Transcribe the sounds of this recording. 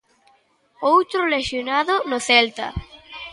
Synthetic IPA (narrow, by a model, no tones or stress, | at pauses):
owt̪ɾʊleʃjonaðʊnoθɛlt̪ɐ̰